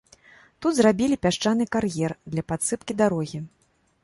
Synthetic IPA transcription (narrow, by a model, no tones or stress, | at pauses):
t̪ud̪zrabʲilʲipʲaʂt͡ʂanɨkarjɛrd̪lʲɐpat̪sɨpkʲid̪aɾɔɣʲi